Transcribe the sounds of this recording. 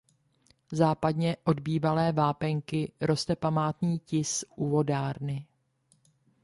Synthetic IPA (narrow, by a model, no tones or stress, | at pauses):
zaːpadɲɛʔo̞dbiːvalɛːvaːpɛŋkɪɾo̞st̪ɛpamaːt̪ɲiːcɪsʔuvo̞daːɾnɪ